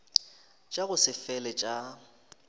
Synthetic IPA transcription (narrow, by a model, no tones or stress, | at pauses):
t͡ʃʼaɣʊsɪfɛlɛt͡ʃʼa